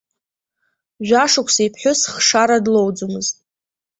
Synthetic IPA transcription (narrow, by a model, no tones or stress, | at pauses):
ʒʷᶣaʂakʷʰsaipʰħʷᶣʊsχʂaɾadlowd͡zumɨztʼ